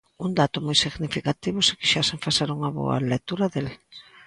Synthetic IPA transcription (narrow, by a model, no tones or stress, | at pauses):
und̪at̪ʊmojsiɣnifikat̪iβʊsɪ̥kɪ̥ʃaseɱfaseɾuŋɐβo̰ɐ̰lek̚t̪uɾaðel